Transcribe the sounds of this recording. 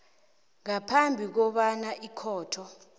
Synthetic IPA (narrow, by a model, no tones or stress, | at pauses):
ŋapʰambʱik̬ɔɓanaʔikʰɔːtʰɔ